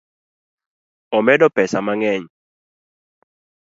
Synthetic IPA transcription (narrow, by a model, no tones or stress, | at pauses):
ɔmɛdɔpɛsamaŋɛɲ